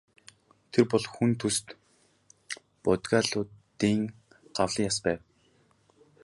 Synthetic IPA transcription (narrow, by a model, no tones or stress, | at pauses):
t̪ʰerpɔɮxunt̪ʰust̪ | pɔt̪ɡaːɮʊːt̪ | iːŋ | ɢ̥awɮĭːŋjaspæːw